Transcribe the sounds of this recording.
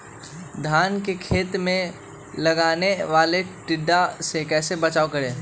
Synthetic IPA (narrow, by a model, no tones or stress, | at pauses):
d̪ʱaːnkekʰeːt̪mẽ | lɐɡaːneʋaːleʈɪɖːasekɛːsebɐt͡ʃaːokɐɾẽː